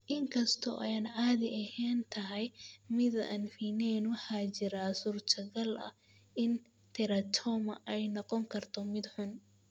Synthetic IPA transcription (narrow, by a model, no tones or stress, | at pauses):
ʔɪŋkʰɐst̪ʰɔ̰ʔɛjanʕaːðɪʔɐhɛːnt̪ʰɐɦɛjmɪða̰nfinɛnwħaːt͡ʃɪɾasuːrt̪ʰɐɣɐlɐ̰ | ɪn | t̪ʰɛɾɐt̪ʰɔmɐ̰ʔɛjnɔqɔŋkʰɐrt̪ʰɔmɪd̪ħʊn